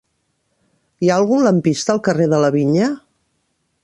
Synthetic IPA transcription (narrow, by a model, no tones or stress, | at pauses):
iaəlˠɣunləmpist̪əːlˠkəreðələβiɲə